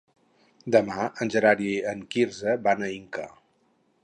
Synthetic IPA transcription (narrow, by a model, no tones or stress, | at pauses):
d̪əmaənʲʒəɾaɾiəŋkiɾzəβanəiŋkə̰